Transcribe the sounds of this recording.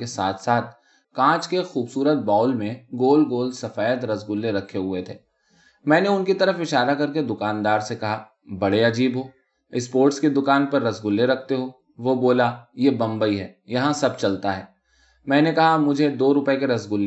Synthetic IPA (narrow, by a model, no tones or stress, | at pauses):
kesaːt̪ʰsaːt̪ʰ | kãːt͡ʃkexuːbsuːɾət̪̚baːlmẽɡoːlɡoːlsɐfaːjət̪ɾɐzɡʊlːeɾɐkʰːeɦʊet̪ʰeː | mɛ̃ːneʊnkit̪ɐɾəfɪʃaːɾakɐɾk̬ed̪ʊkaːnd̪aːɾsekɐɦa | bɐɽeɐd͡ʒiːbɦoː | ɪspoːɾʈsked̪ʊkaːnpɐɾːɐsɡʊlːeɾɐkʰt̪eɦo | ʋoboːlajebɐ̃mbəiɦɛːjɐɦãsɐb̚t͡ʃɐlt̪aɦɛː | mɛ̃ːnekɐɦamʊd͡ʒʱed̪oːɾʊpəekeɾɐsɡʊlː